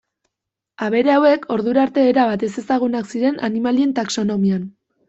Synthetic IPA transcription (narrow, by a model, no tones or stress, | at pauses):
aβe̞ɾe̞awe̞kʰo̞ɾðuɾaɾt̪e̞ːɾaβat̪e̞se̞saɣ̞unaksiɾe̞nʔa̰nimalie̞nt̪akso̞no̞mian